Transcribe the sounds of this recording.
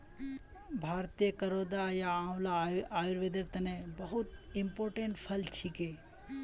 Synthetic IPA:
bʱaːɾt̪ijəkɐɾod̪ajaãwlaaːjuɾʋed̪əɾt̪ɐnebɐɦut̪ɪmpoːɾʈẽɳʈpʰɐlt͡ʃʰike

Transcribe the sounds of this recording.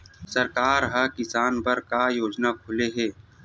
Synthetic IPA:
sɐɾkaːɾɦɐkɪsaːnpɐɾkajoːd͡ʒnakʰʊleɦɛː

